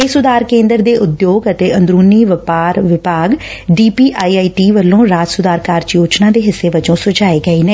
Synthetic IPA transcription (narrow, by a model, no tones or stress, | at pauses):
esʊd̪aːɾkẽːnd̪əɾd̪eːʔʊd̪joːɡət̪eːənd̪ɾuːniːʋɪpaːɾʋɪpaːɡɖiːpiːʔaːiːaːiːʈiːʋəlːõːɾaːt̪sʊd̪aːɾkaːɾt͡ʃjoːt͡ʃnãːd̪eːɦɪsːeːʋəd͡ʒõːsʊd͡ʒaːeːɡəiːneː